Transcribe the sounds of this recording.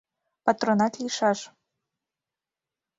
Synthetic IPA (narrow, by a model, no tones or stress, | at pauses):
pat̪ronatʰiʂaʐ